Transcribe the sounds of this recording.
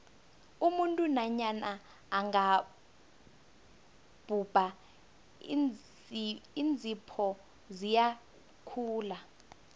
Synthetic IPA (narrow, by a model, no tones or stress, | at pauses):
umuntʼunaɲanaː | ŋɡa | b̥ʱub̥ʱa | ind͡zʱipʰɔ | zija | kʰuːla